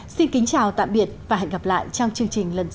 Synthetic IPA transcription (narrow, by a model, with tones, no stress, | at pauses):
si˧nkï˨˦ŋ̟t͡ɕaː˨˩wt̪a̰ː˧˨mɓi˨˩ət̚vaː˨˩ɦa̰˧jŋɣa˨˧˩p̚la̰ː˧˨jt͡ɕɔ˧wŋ͡mt͡ɕɨ˧əŋt͡ɕï˨˩ŋ̟lə˨˩n